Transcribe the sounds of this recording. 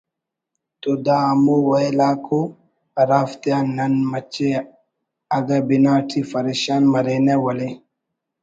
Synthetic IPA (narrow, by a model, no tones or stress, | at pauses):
t̪od̪aːmowaelaːkʰo | ɾaft̪ianːɐnmɐt͡ʃːe | aɡabinaːʈʰifɐɾeʃanmɐɾenɛwɐle